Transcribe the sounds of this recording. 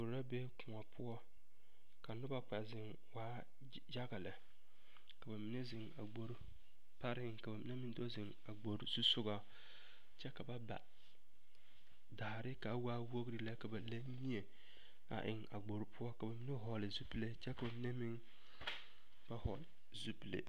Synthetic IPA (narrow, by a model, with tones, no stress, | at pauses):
ɡ͡bo˨ɾɾa˦be˦kʊ˨ŋa˨pʰʊ˦ɔ˦ | ka˨nʊ˦ba˨k͡pa˨zɪ˨ŋ | waː˦ | d͡ʒa˦ɡa˨lɪ˨ | ka˨ba˨mɪ˨ne˦zɪ˨ŋa̰˨ɡ͡bo˦ɾ | pa˦ɾɪ˦ɪ˦ŋka˨ba˨mi˦ne˦mɪ˦ndo˦zɪ˨ŋa˨ɡ͡bo˨ɾzu˦sʊ˦ɡa˦ | t͡ʃɛ˦ka˨ba˦ba̰˨ | da˨a˨ɾɪ˦ka˨˦waː˦wo˦ɡɾɪ˨la˦ka˨ba˨la˦ɲi˦e˨ | a̰˨ʔɪ̰˨ŋa̰˨ɡ͡bo˨ɾpʰʊ˦ɔ˦ka˨ba˨mi˦ne˦ɦɔ˨lɪ˨zu˦ple˦t͡ʃɛ˦ka˨ba˨mɪ˦ne˦mɪ˦ŋ | b̥a˦hɔ˨l | zu˦plḛ˨